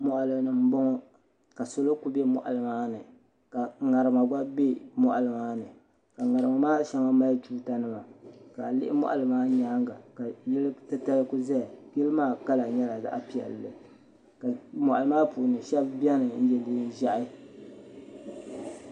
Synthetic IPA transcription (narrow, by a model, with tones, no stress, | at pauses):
mɔ˨ʔa˨lɨ˨nɨ˨m̩˦bɔ˦ŋɔ˦ | ka˨so˨lo˦ku˦bɛ˦mɔ̰˨ʔa̰˨lɨ˨maː˦nɨ˨ | ka˨ŋa˨ɾɨ˨ma˨ɡ͡ba˦be˦mɔ˦ʔa˨lɨ˨maː˦nɨ˨ | ka˨ŋa˨ɾɨ˨ma˨maː˦ʃa˦ma˦ma˦ltuː˦ta˦nɨ˦ma˨ka˨lɪ̰˦ʔɪ̰˦mɔ̰˦ʔa̰˨lɨ˨maː˦ɲa˦ŋɡa˨ka˨jɛ˦lɨ˦tɨ˦ta˦lɨ˦ku˦za˦˨ɡi˦lɨ˦maː˦˨ka˦la˨ɲɛ˦la˨za̰˦ʔa˦pi˨ɛ̰˨lːɨ˨ | ka˨mɔ˨ʔa˨lɨ˨˦maː˦pu˨nɨ˨ʃɛ˦bbi˦ɛ˦nɨ˨n̩˦d͡ʒɛ˦liː˦ʒa˦ʔɪ˦